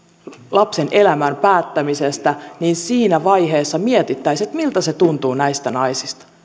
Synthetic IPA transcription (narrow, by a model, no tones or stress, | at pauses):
lɑpse̞nʔe̞læmæmpæːt̪ːæmisest̪æniːnsiːnæʋɑjɦe̞ːsːɑmiet̪it̪ːæjset̪milt̪æset̪unt̪uːnæjst̪ænɑjsist̪ɑ̥